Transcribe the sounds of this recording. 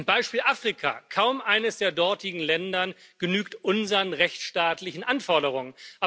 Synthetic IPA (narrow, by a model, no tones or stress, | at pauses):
nbaɪʃpiːlʔaːfʁ̥ikʰa̰ːkʰaʊmʔaɪnəsd̥eːɐdɔɐtɪɡŋ̩lɛndɐnɡ̥ənyːktʔʊnzəʁənʁɛçʃtaːtlɪçn̩ʔanfɔɐdəʁ̞ʊŋənʔa